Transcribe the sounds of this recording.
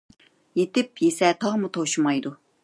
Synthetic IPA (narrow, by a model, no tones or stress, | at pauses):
jet̪ɪpjesɛt̪ʰɑʁmut̪ʰoʃumɑjd̪u